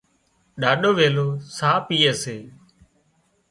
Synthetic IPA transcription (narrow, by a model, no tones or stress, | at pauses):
ɗaːɗoːʋeːloːsaːpiːəːseː